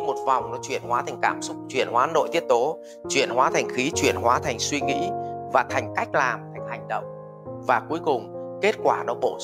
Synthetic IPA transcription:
mo˨˩t̚va˨˩wŋ͡mnɔ˨˦t͡ɕwḭ˧˩ənhwaː˨˦t̪ʰa˨˩ŋ̟kaː˧˩msʊ˦˥k͡p̚t͡ɕwḭ˧˩ənhwaː˨˦no̰˧˨t̪i˦˥əp̚t̪o˨˦ | t͡ɕwḭ˧˩ənhwaː˨˦t̪ʰa˨˩jŋ̟xi˨˦t͡ɕwḭ˧˩ənhwaː˨˦t̪ʰa˨˩jŋ̟swi˧ŋḭ˧˥vaː˨˩t̪ʰa˨˩jŋ̟ka˦˥jk̟̚laː˨˩mt̪ʰa˨˩jŋ̟ha˨˩jŋ̟ɗə̰˧˨wŋ͡m | vaː˨˩ku˨˦əjkʊ˨˩ŋ͡mke˦˥t̚kwaː˧˩nɔ˨˦ɓo˧˩

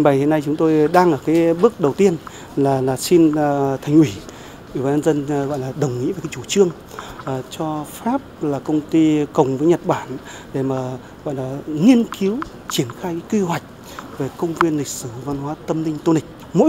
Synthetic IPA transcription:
ŋɓa˨˩jhe˨˧˥na˧jt͡ɕʊ˨˦ŋ͡mt̪o˧jɗaː˧ŋʔəː˧˩kaː˨˦jɓɨ˦˥ək̚ɗə˨˩wt̪i˧ən | laː˨˩laː˨˩si˧nt̪ʰa˨˩jŋ̟ʔwi˧˩ | ʔi˨˧˩ɓaː˧nɲə˧nzə˧nɣɔ̰˧˨jlaː˨˩ɗə˨˩wŋ͡mŋḭ˧˥ve˨˩kːaː˨˦jt͡ɕu˧˩t͡ɕɨ˧əŋ˨˩ | t͡ɕɔ˧faː˦˥p̚laː˨˩kə˧wŋ͡mt̪i˧kə˨˩wŋ͡mvəː˨˦jɲə˨˩t̚ɓaː˧˩n | ɗe˧˩maː˨˩ | ɣɔ̰˧˨jlaː˨˩ŋi˧ənki˨˦w | t͡ɕi˧˩ənxaː˧jkːjkwi˧hwa˨˩jk̟̚ | ve˨˩kə˧wŋ͡mvi˧ənlï˨˩k̟̚sɨ˧˩va˧nɦwaː˨˦t̪ə˧mnï˧ŋ̟t̪o˧nï˨˩k̟̚ | mo̰˧˥

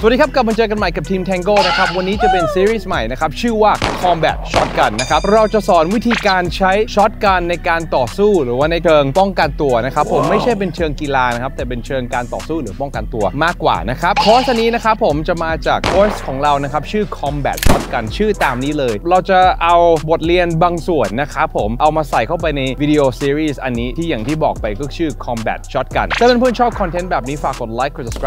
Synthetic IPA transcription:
su˨˩diː˧kʰa˦˥p̚ka˨˩p̚ma˧t͡ɕɤː˧ka˧nma˨˩jka˨˩p̚t̪ʰiː˧mt̪ʰɛː˧ŋɡoː˥˩na˦˥kʰa˦˥p̚wa˧nːiː˦˥t͡ɕa˨˩pe˧nsiː˧˥ɾiː˥˩sma˨˩jna˦˥kʰa˦˥p̚t͡ɕʰɯː˥˩waː˥˩kʰɔ˧mbɛ̰ː˨˩t̪̚t͡ɕʰɔ˦˥t̪̚ka˧nːa˦˥kʰa˦˥p̚ɾa˧wt͡ɕa˨˩sɔː˩˦nwi˦˥t̪ʰiː˧kaː˧nt͡ɕʰa˦˥jt͡ɕʰɔ˦˥t̪̚ka˧nːa˧jkaː˧nt̪ɔː˨˩suː˥˩ɾɯː˩˦waː˥˩na˧jt͡ɕʰɤː˧ŋpɔ˥˩ŋka˧nt̪u˧ɐna˦˥kʰa˦˥pʰːo˨˩˦mːa˥˩jt͡ɕʰa˥˩jp̬e˧nt͡ɕʰɤː˧ŋki˧laː˧n˦˥kʰa˦˥p̚t̪ɛː˨˩p̬e˧nt͡ɕʰɤː˧ŋkaː˧nt̪ɔ̰ː˨˩suː˥˩ɾɯː˩˦pɔ˥˩ŋka˧nt̪u˧ɐmaː˥˩kːwa̰ː˨˩na˦˥kʰa˦˥p̚kʰoː˦˥st̪ʰːa˧niː˦˥na˦˥kʰa˦˥pʰːo˩˦mt͡ɕa˨˩maː˧t͡ɕaː˨˩kʰːoː˦˥skʰɔː˩˦ŋɾa˧wna˦˥kʰa˦˥p̚t͡ɕʰɯː˥˩kʰɔ˧mbɛ̰ː˨˩t̪̚t͡ɕʰɔ˦˥t̪̚ka˧nt͡ɕʰɯː˥˩t̪aː˧mniː˦˥lɤː˧jɾa˧wt͡ɕa˨˩ʔa˧wbo˨˩t̪̚li˧ənbaː˧ŋsu˨˩ənːa˦˥kʰa˦˥pʰːo˨˩˦mʔa˧wmaː˧sa˨˩jkʰa˥˩wp̬a˧jna˧jwi˦˥di˧ʔoː˧si˧ɾiː˥˩sʔa˧nːiː˦˥t̪ʰiː˥˩jaː˨˩ŋt̪ʰiː˥˩bɔː˨˩k̚pa˧jkɔː˥˩t͡ɕʰɯː˥˩kʰɔ˧mbɛ̰˨˩t̪̚t͡ɕʰɔ˦˥t̪̚ka˧nt̪ɛː˥˩ma˧˥npʰu˥˩ŋt͡ɕʰɔː˥˩p̚kʰɔ˧nt̪ʰe˦˥nbɛː˨˩p̚niː˦˥faː˨˩kːo˨˩t̪̚laː˦˥jkʰːo˧˩skː

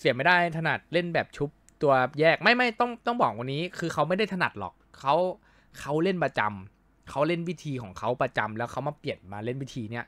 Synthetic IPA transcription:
si˩˦ma˥˩jda˥˩jt̪ʰa˧na̰˨˩t̪̚le˥˩nbɛː˨˩p̚t͡ɕʰu˦˥p̚t̪u˧ɐjɛː˥˩k̚ma˥˩jma˥˩jt̪ɔ˥˩ŋt̪ɔ˥˩ŋbɔː˨˩k̚wa˧nːiː˦˥kʰɯː˧xʰa˦˥wma˥˩jda˥˩jt̪ʰna̰˨˩t̪̚lɔ̰˨˩k̚ʰːa˦˥w | kʰa˦˥wle˥˩npɾa˧t͡ɕa˧m | kʰa˦˥wle˥˩nwi˦˥t̪ʰiː˧kʰɔː˩˦ŋkʰa˦˥wpɾa˧t͡ɕa˧mlɛː˦˥wkʰa˦˥wma˧˩pli˨˩ənmaː˧le˥˩nwi˦˥t̪ʰiː˧ni˦˥ɐ

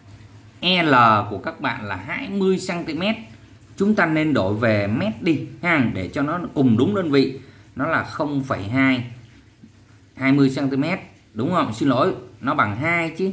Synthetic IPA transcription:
ʔɛ˧ləː˨˩ku˧˩əkaː˦˥k̚ɓa̰ː˧˨nlaː˨˩ɦa̰ː˧jmɨ˧əjsaː˧nt̪i˧mɛ˦˥t̚ | t͡ɕʊ˨˦ŋ͡mt̪aː˧ne˧nɗo˧˩jve˨˩mɛ˦˥t̚ɗi˧haː˧˩ŋɗe˧˩t͡ɕɔ˧nɔ˨˦kʊ˨˩ŋ͡mɗʊ˨˦ŋ͡mɗə˧nvḭ˧˨ | nɔ˨˦laː˨˩xə˧wŋ͡mfə˧˩jɦaː˧j | haː˧jmɨ˧əjsaː˧nt̪i˧mɛ˦˥t̚ | ɗʊ˨˦wŋ͡mhə̰˧˨wŋ͡msi˧nlo̰˧˦jnɔ˨˦ɓa˧˩ŋɦaː˧jt͡ɕi˨˦

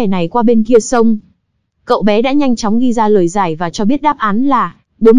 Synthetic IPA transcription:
ɛ˧˩na˨˩jkwaː˧ɓe˧nki˧əsə˧wŋ͡m | kə̰˧˨wɓɛ˨˦ɗa̰ː˧˥ɲa˧jŋ̟t͡ɕɔ˨˦wŋ͡mɣi˧zaː˧ləː˨˩jzaː˧˩jvaː˨˩t͡ɕɔ˧ɓi˦˥ət̚ɗaː˦˥p̚ʔaː˨˦nlaː˨˩ | ɓo˨˦

